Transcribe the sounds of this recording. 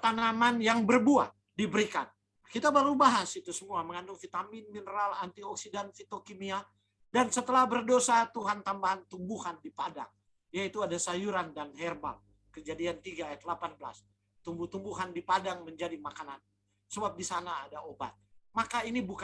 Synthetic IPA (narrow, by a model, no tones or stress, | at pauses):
t̪anamanjaŋbərbua̰t̪̚dibəɾika̰n | akit̪abaɾubaɦasit̪usəmuaməŋandʊŋfit̪amɪnminəɾalant̪iɔksidanfit̪okimia | dansət̪əlahbərdosat̪uɦant̪ambaɦant̪umbuhandipada̰ŋ | jait̪uadasajuɾandanhɛrba̰l | kəd͡ʒadiant̪iɡaːjat̪̚lapanbəla̰s | t̪umbuht̪umbuɦandipadaŋməɲd͡ʒadimakanan | səbap̚disanaːdaoba̰t̪̚makainibuk